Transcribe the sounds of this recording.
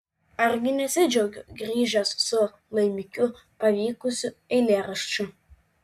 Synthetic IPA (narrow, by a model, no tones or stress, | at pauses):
arɡʲɪnʲɛsʲɪd͡ʒoɡʲʊɡrʲiːʒʲɛsːʊ | lˠɐjmʲɪkʲʊ | pɐvʲiːkʊsʲʊɛlʲeːrɐʃt͡ʃʰʊ